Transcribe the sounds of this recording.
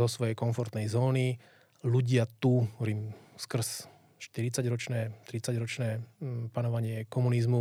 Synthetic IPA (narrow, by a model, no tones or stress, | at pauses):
ɔsʋɔjɛjkɔnfɔɾt̪nɛjzɔːni | luɟɪat̪uɦɔɔɾiːmskr̩s | ʃt̪iɾit͡saɟɾɔt͡ʃnɛːt̪ɾit͡saɟɾɔt͡ʃnɛːpanɔʋaɲɪɛkɔmunizmu